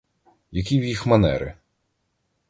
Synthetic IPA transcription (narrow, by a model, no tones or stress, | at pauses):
jɐkʲiwjixmɐnɛ̰ɾɪ̰